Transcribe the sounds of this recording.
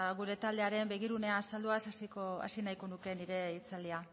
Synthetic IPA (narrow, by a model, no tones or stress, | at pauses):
ɣuɾe̞t̪ald̪e̞aɾe̞mbe̞ɣ̞iɾune̞asald̪uasasikoa̰sinajko̞nuke̞niɾe̞it͡sald̪ia